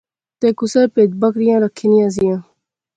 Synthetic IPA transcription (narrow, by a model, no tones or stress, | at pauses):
t̪eːkʊsəɾpeːt̪bɐkɾijãːɾəkʰːinijãːzijãː